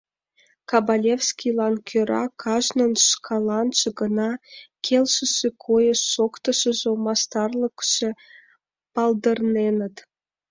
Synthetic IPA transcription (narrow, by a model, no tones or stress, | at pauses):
kɑbɑlʲefskʲilɑnkʲʰøɾɑ̰kʰɑʒnənʃkʰɑlɑnʃĕɡənɑkʰelʃə̆ʃekʰojəʃːokt̪əʃə̆ʒomɑst̪ɑrləkʃe | pɑld̪ə̆rnenə̆t̪